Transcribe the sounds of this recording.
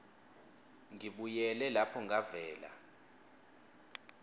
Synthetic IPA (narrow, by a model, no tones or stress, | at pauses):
ŋiɓujɛlɛlapʰɔŋʱavɛːla̰